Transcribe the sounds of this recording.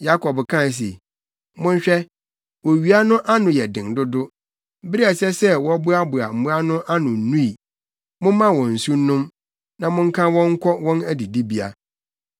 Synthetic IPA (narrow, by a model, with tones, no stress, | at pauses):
ja˦kʰɔ˨bkʰã˦˨s̬ḛ˨ | mʊ̃˦n˦ɕᶣɛ˦ | wɔ˨ɥi˨a˦nʊ̃˦ʔa˦nʊ̃˨jɛ˨dɪ̃˨ŋdʊ˦dʊ˦ | bɪ˦i˦a˨sɛ˦sɛ˦wɔ˦bʊ˦a˦bʊ˨a˨m̩˨mũ˦a˦nʊ̃˦ʔa˦nʊ̃˨n˦nũ˦i˨ | mʊ̃˦mã˦wɔ̃˨n̩˨su˦nʊ̃˦m | nã˨mʊ̃˦ŋ̩˦kʰã˦wɔ̃˦ŋ̩˦kʰɔ˦wɔ̃˦næ˦di˨di˦bi˦a̰˨